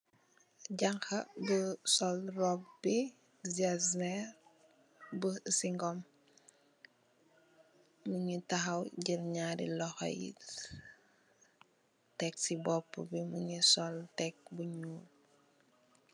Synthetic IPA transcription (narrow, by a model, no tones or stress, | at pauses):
ɟɐŋxɐbəsɔlrɔpbi | d͡ʒaznɛɾ | bəsiŋɡɔm | uɲutɐɦɐwɟiɾɲaːɾḭlɔxɔ̰jḭ | tɛksibɔpːə̰bimuɲusɔltɛk̚buɲuːl